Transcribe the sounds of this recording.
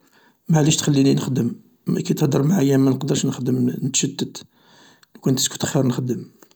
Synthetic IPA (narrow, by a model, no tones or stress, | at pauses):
maʕliʃt̪xælːininəxd̪əm | ækæt̪əhd̪əɾˤmaʕajːæmænəqd̪əɾˤʃnəxd̪əmnət̪ʃəd̪ːət̪ | lukʊnt̪əsku̥t̪əxiɾˤnəxd̪əm